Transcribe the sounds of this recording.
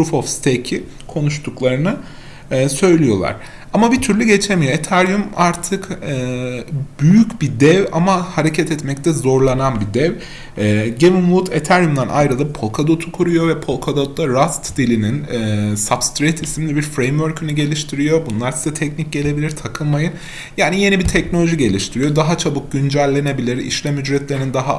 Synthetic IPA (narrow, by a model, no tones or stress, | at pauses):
ɾufofst̪ʰecʰi | kʰo̞nuʃt̪ʰuklˠaɾɯnɯː | sø̞jlʲijo̞lˠa̰ɾ̥ | amabit̪ʰyɾlʲyɟe̞t͡ʃʰemijo̞e̞t̪ʰaɾjumaɾt̪ʰɯkː | byjycbid̪ɛva̰mahaɾe̞cʰɛt̪ʰɛt̪mɛc̚t̪ʰɛzo̞ɾlˠananbid̪ɛvː | ɟemimut̪ʰet̪ʰæɾjumd̪anʔa̰jɾɯd̪apʰo̞lˠkʰad̪ot̪ʰu̥kʰuɾujo̞vɛpʰo̞lˠkʰad̪ot̪lˠaɾast̪d̪ilʲininːsabst̪ɾejt̪ʰisimlʲibiɾfɾejmvøɾcʰyniɟe̞lʲiʃt̪ʰiɾijo̞bunlˠaɾsizɛt̪ʰɛcnic̚ɟe̞lʲe̞bilʲiɾt̪ʰakʰɯlˠmajɯn | jaːnije̞nibit̪ʰɛcnolʲo̞ʒiɟe̞lʲiʃt̪ʰiɾijo̞d̪aɦat͡ʃʰabɯk̚ɟynd͡ʒælʲːe̞ne̞bilʲiɾḭʃlʲɛmyd͡ʒɾɛt̪lʲeinind̪aɦa